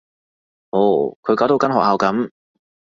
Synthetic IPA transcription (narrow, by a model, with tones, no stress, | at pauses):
ho˨˥kʰɵ˨˧ɥkaː˨˥wt̪o˨˥wkɐ˥nɦɔː˨k̚haː˨˧wkɐ˨˧˥m